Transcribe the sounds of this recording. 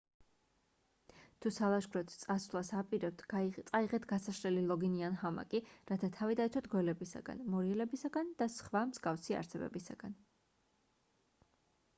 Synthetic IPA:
t̪ʰusalˠaʃɡɾɔt̪ʰt̪sʼasvlˠasapʼiɾɛp̚t̪ʰt̪sʼaiʁɛt̪ʰɡasaʃɾɛlilˠɔɡinianhama̰kʼiɾat̪ʰat̪ʰavid̪aɛt̪sʰwat̪ʰɡwɛlɛbisa̰ɡa̰nmɔɾiɛlɛbisaɡand̪̥asχvamz̥ɡafsia̰ɾsɛbɛ̰bisa̰ɡ̥an

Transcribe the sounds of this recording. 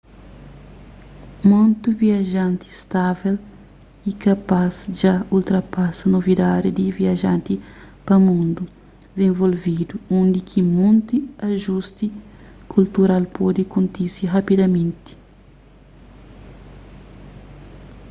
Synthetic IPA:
mõnt̪uviɐʒãnt̪ist̪avel | ikɐpazd͡ʒault̪ɾɐpasɐnovid̪ad̪id̪iviɐʒãnt̪i | pɐmũnd̪u | d̪ɪzẽɱvolvid̪uũnd̪ikʰimõnt̪iɐʒust̪i | kʰult̪uɾalpɔd̪ikũnt̪iɾsiɦɐpid̪ɐmẽnt̪i̥

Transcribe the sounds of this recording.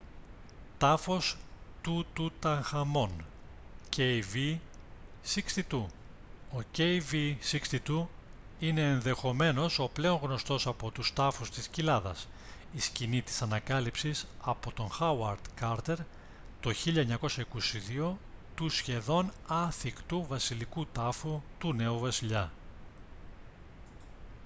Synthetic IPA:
t̪ɐfo̞st̪ut̪ut̪ɐŋxɐmo̞n | ceivi | sikst̪it̪u | ocejvisikst̪it̪u | ine̞ːnðe̞xo̞me̞no̞so̞ple̞o̞ŋɣno̞st̪o̞sɐpo̞t̪ust̪ɐfust̪iscilɐðɐ̰s | iscinit̪i̥sɐnɐkɐlipsisɐpo̞t̪o̞nxɐwɐɾd̪̥kɐɾt̪e̞ɾ | t̪o̞çiʎɐeɲɐko̞sɐikosiðio̞t̪usçe̞ðo̞nɐθikt̪uvɐsilikut̪ɐfut̪une̞uvɐsiʎɐ

